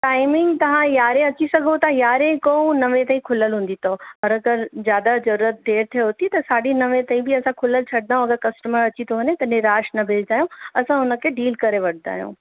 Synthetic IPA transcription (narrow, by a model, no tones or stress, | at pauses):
ʈaːɪmɪ̃ŋɡt̪ɐʋ̤ãjaːɾẽɐt͡ɕisɐɡʱot̪ɐjaːɾẽkoũnɐʋẽt̪ãːĩkʰʊləlɦũːn̆d̪it̪ʰoɐɾɐɡəɾzjaːd̪azɐɾuːɾət̪̚d̪ʱeːɾt̪ʰijoɦʊt̪it̪ɐsaːɗinɐʋẽt̪ãːĩbɪɐsãkʰʊləlt͡ɕʰɐɽɪd̪aːɦũɐɡəɾkɐsʈəməɾɐt͡ɕit̪ʰoɦɐɲet̪ɐneɾaːʃnɐbʱɪld͡ʑaːjõɐsãɦʊnə̆kʰeːɖiːlkɐɾeʋɐʈ̚ʰd̪a̰ːjõ̰ː